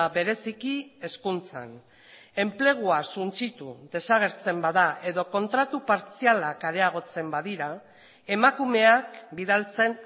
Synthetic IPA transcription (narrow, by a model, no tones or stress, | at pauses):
aβe̞ɾe̞sikie̞skunt͡sa̰n | e̞mple̞ɣ̞uasunt͡sit̪uðe̞saɣ̞e̞ɾt͡se̞mbaðaʔe̞ðo̞ko̞nt̪ɾat̪upaɾt͡sialakaɾe̞aɣ̞o̞t͡se̞mbaðiɾa | e̞makume̞akbiðalt͡se̞n